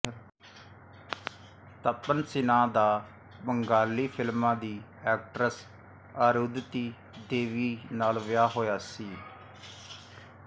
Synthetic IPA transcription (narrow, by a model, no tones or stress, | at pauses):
t̪əpːənsɪnãːd̪aː | bəŋɡaːlːiːpʰɪlmãːd̪iːɛːk̚ʈɾəs | əɾud̪t̪iː | d̪eːʋiːnaːlʋɪjaːɦoːjaːsiː